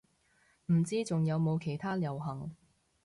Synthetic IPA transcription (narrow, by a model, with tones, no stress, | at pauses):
m̩˨˩t͡siː˥t͡sʊ˨ŋjɐ˨˧wmo˨˧wkʰe˨˩jt̪ʰaː˥ljɐ˨˩wɦɐ˨˩ŋ